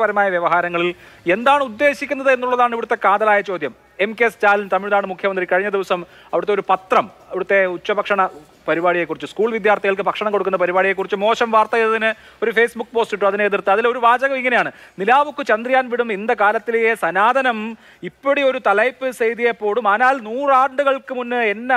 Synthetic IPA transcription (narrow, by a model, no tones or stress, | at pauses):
pɐɾɐmaːjɐʋjeʋɐɦaːɾɐŋːɐɭil | e̞nd̪aːɳud̪ːe̞ːɕikʲːunːɐðɨe̞nːuɭːɐðaːɳiʋiɽut̪ːe̞kaːd̪ɐlaːjɐt͡ɕo̞ːd̪jɐm | emkest͡ɕaːlint̪ɐmiɻðaːɳɨmukʰjɐmɐnd̪rikɐɻiɲːɐd̪iʋɐsɐm | ɐʋiɽɨt̪ːeoɾupɐt̪rɐm | ɐʋiɽut̪ːe̞ut͡ɕːɐbɐkʂɐɳɐ | pɐɾibaːɽijekːurit͡ɕːuskuːɭʋid̪jaːrt̪iɣɐɭk̬ɨpɐkʂɐɳɐmko̞ɽukːunːɐpɐɾibaːɽije̞kːurit͡ɕːumo̞ːɕɐmʋaːrt̪ɐj̪ɐðinɨ | o̞ɾufe̞ːsbukːɨpo̞ːsʈiʈːumɐðineeðirt̪ːɨɐðilo̞ɾubaːd͡ʑɐɣɐmiŋːɐnejaːɳɨnilaːʋukːɨt͡ɕɐnd̪rijaːnʋiɽumind̪ɐkaːlɐt̪ːileesɐnaːd̪ʱɐnɐm | ipːoɽio̞ɾut̪ɐlɐjpːɨsejd̪ijepːo̞ːɭumaːnaːlnuːraːɳɖɨɣɐɭkɨmunːɨenːe